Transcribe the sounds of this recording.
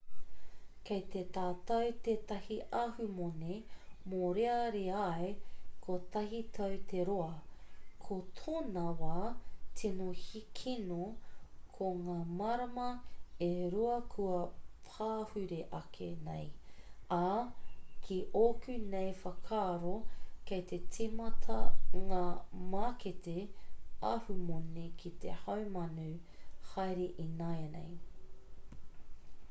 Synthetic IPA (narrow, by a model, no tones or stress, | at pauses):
kejt̪et̪aːtɐwt̪etɐhiʔɐhʉmonemoɾeɐɾeɐekʰot̪ɐɦitʰɐwt̪ʰeɾoɐkʰot̪ʰonɐwatʰinohikʰinokʰoŋaːmaɾɐmɐeɾuɐkʰuɐpʰaːhʉɾeʔɐkʰenḛja | kʰiʔokʉnejfɐkʰaːɾokejt̪ʰet͡simɐtʰɐŋaːmaketeɐhumonekʰit̪ḛhɐwmɐnuhajɾeʔinajɐnḛj